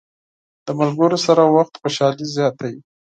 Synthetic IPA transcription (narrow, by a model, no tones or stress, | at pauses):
d̪̥əmalɡəɾosaɾawaxt̪xoʃɑlizjɑt̪aji